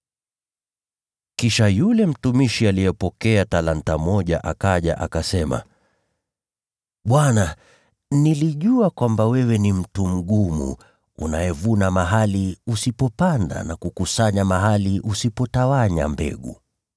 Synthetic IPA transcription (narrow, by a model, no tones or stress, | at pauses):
kiʃajulɛm̩tumiʃialijɛpɔkɛatalantamɔʄa̰ʔakaʄa̰ʔakasɛma̰ | ɓwana | niliʄuakwambawɛwɛnim̩tum̩ɠumṵ | ṵnajɛvunamaɦaliusipɔpanda̰nakukusaɲamaɦaliʔusipɔtawaɲa̰mbɛ̰ɠṵ